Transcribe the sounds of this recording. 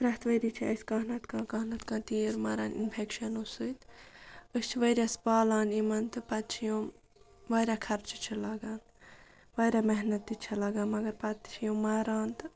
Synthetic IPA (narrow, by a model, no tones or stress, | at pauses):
pɾɐɦt̪ʰʋɐɾit͡ʃʰiɐskɐːɦnɐt̪kãːkɐɦnɐt̪kãːt̪iːɾmaːɾaːnʔḭnpʰekʃɐnusɨjt̪ | ɨst͡ʃʰiʋɐjɾʲaspaːlaːnimɐnt̪ɨpɐt̪t͡ʃʰijum | ʋɐːɾakʰɐɾt͡ʃʰit͡ʃʰilɐɡaːn | ʋɐːjɾaːmeɦnɐt̪ːit͡ʃʰɐlɐɡaːnmɐɡɐɾpɐt̪t͡ʃʰijõmaːɾaːnt̪ɨ